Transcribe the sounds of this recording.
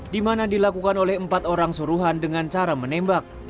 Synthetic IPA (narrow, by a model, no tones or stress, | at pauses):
dimanadilakukanolɛhəmpat̪oɾaŋsuɾuɦandəŋant͡ʃaɾamənɛmbak̚